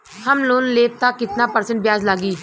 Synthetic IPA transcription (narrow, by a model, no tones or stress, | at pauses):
həmloːnleːp̚t̪aːkɪt̪naːpəɾsə̃ɳʈ̚bjaːzlaːɡiː